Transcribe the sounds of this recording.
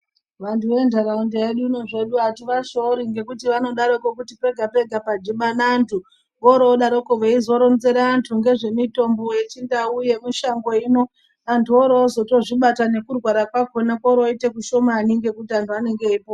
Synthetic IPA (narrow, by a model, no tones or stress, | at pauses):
ʋantʰuʋe̞ndaɾaundeeɗuino̞ʐe̞ɗuatiʋaʃoɾiŋɡe̞kutiʋano̞ɗaɾokokutipe̞ɡʱape̞ɡʱapad͡ʒiɓanaːntʰu | ʋoɾoːɗaɾo̞koʋeizo̞ɾonze̞ɾaːntʰuŋɡe̞ʐe̞mito̞mboet͡ʃindauje̞muʃaŋɡo̞ino̞ | antʰuoɾoːzo̞to̞ʐiɓatane̞kurwaɾakwako̞nakoɾoite̞kuʃo̞maːneŋɡe̞kutiantʰuane̞ŋɡeːpo